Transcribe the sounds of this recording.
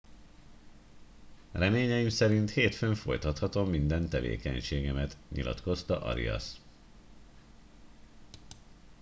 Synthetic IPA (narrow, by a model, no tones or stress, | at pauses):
rɛmeːɲɛimsɛɾint̪heːt̪føɱfo̞̰jt̪ɒt̪hɒt̪o̞mːind̪ɛnt̪ɛvḛːkɛɲʃeːɡɛmɛt̪ɲḭlʔɒ̰t̪ko̞st̪ɒʔɒ̰ɾḭɒ̰s